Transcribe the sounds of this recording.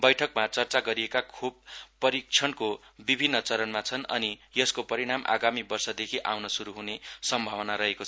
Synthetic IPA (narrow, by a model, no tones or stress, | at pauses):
bʌjʈʰʌkmat͡sʌrt͡saɡʌɾiekakʰub̚pːʌɾik̚t͡sʰʌnkobibʱinːʌt͡sʌɾʌnmat͡sʰʌnʌ̰nijʌskopʌɾiɽ̃amʔa̰ɡamibʌrsʌd̪ekʰiʔa̰wnʌsuɾuɦunesʌmbʱawʌnaɾʌɦekot͡sʰʌ